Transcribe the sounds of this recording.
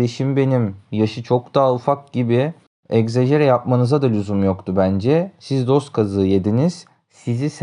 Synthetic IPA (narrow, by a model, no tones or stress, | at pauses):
eʃimbe̞nimjaʃɯt͡ʃʰo̞kd̪̥aːufak̚ɟibi | ɛczeʒe̞ɾɛjap̚manɯzad̪alʲyzumjo̞kt̪ʰubænd͡ʒɛsizd̪o̞st̪̚kʰazɯːjed̪iniz̥ | sizis